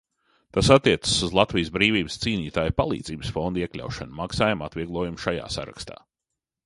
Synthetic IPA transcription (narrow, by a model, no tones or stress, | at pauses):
t̪asat̪ːiɛt̪sə̥suzlˠat̪vijsbɾiːviːbɨst̪siːnʲiːt̪aːjpalˠḭːd̪ziːbəsfond̪iɛklʲa̰wʃanumaksaːjumat̪vʲiɛɡlˠuɔjumʃaja̰ːsaɾa̰kst̪a̰ː